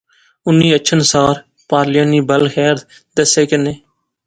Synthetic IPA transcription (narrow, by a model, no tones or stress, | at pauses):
ʊnːiːətːʃʰənsaːɾ | paːɾlɪjãːniːbəlxɛːɾt̪ | d̪əseːkɪnːeː